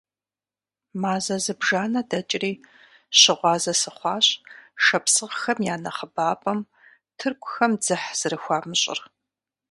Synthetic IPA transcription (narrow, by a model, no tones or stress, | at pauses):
maːzɐzɨbʒaːnɐdɐt͡ʃʼɪriː | ɕɪʁʷɑːzɐsɨχʷɑːɕʼʃɐpsɨʁxɐmjaːnɐχəbaːpʼɐm | tʰɨrkʷʰʼʊxɐmd͡zɨħz̥ɨɾɨxʷɑːmɨɕʼɪ̰r